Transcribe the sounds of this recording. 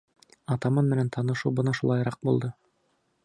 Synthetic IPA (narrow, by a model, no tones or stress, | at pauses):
ɑt̪ɑmɑnmɘ̆nænt̪ʰɑnɤ̆ʃuwbɤnɑʃulˠɑjɾɑq̚bulˠd̪ɤ